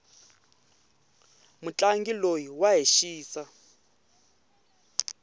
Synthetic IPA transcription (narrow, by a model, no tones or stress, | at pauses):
mut͡ɬʼaŋɡilojiwaɦeʃiːsa